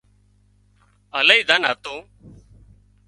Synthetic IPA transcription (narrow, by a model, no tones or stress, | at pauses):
ələiːd̪əna̰ːt̪õː